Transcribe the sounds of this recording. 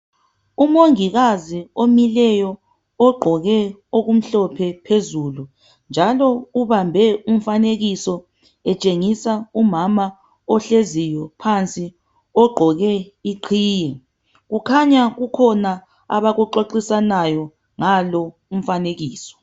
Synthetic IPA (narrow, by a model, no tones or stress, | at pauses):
umoŋiɣaziomilɛjɔ | ɔɡ͡ǃʱɔɣɛoɣum̩ɬɔpʰɛpʰezulu | nd͡ʒʱalɔuβambʱɛum̩faneɣisɔ | ɛt͡ʃʼeŋisaumama | ɔɬezijɔpʰant͡sʼi | ɔɡ͡ǃʱɔɣɛiǃʰiːjɛ | ɣukʰaɲaɣukʰɔna | a̰βaɣuǃoǃisanajɔ | ŋalɔ | um̩faneɣiːsɔ̥